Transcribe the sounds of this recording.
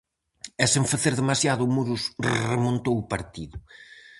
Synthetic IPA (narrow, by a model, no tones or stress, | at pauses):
ɛsẽɱfaθeɾðemasjaðʊmuɾusremõnt̪owʊpaɾt̪iðʊ